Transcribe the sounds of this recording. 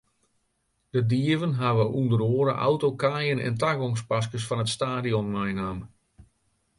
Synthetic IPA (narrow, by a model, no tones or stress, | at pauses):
d̥ədiəvənɦaʋəʔundəɾoəɾəʔa̰wtokaːjənɛ̰ntaɡɔŋs̬pas̬kəsfɑnətstaːdiɔnmajnam